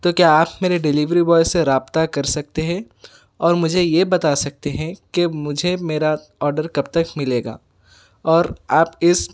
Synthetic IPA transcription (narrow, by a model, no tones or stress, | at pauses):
t̪oːkjaːaːpmeːɾeɖɪliːʋɾiʋɔːɪsːeɾaːbt̪akɐɾsɐk̚t̪eɦɛ̃ | ɔːɾmʊd͡ʒʱejebɐt̪asɐk̚t̪eɦɛ̃kemʊd͡ʒʱemeːɾa | ɔːɾɖəɾkɐbt̪ɐkmɪleːɡa̰ː | ɔːɾaːpɪs